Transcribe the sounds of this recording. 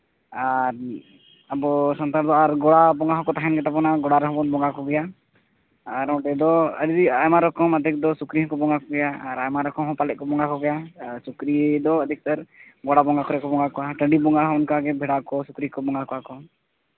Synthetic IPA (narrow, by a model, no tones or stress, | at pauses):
aɾ | abɔsɔnt̪aɾd̪ɔaɾɡɔɽabɔŋɡaɦɔkɔt̪aɦɛnkɛt̪apɔnaɡɔɽaɾɛɦɔ̃bɔnbɔŋɡakɔɡɛja | aɾɔ̃ɖɛd̪ɔə̰d̪id̪iajmaɾɔkɔmad̪ʱɛk̚d̪ɔsukɾiɦɔ̃kɔbɔŋɡakɔɡɛjaaɾajmaɾɔkɔmɦɔ̃palɛʔ̚kɔbɔŋɡakɔɡɛjasukɾid̪ɔəd̪ʱik̚t̪aɾɡɔɽabɔŋɡakɔɾɛkɔbɔŋɡakɔaʈə̃ɳɖibɔŋɡaɦɔunkaɡɛbʱɛɽakɔsukɾikɔbɔŋɡakɔakɔ